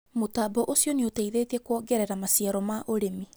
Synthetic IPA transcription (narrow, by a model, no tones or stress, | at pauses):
motabɔʔosjɔneoteiðetɛkwɔɡɛɾɛɾamasjaɾɔmaʔoɾemi